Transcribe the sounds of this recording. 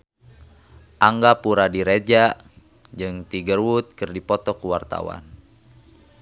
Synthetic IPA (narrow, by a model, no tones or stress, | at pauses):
ʔaŋɡapuɾadiɾed͡ʒa | d͡ʒɨŋt̪iɡərwut̪̚kɨrdipɔt̪ɔkuwart̪a̰wa̰n